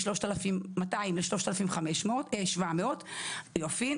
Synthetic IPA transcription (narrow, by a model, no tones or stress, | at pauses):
ʃlo̞ʃtalafimmataimleʃloʃt̪alafimveχameʃmeoteʃvameotjofin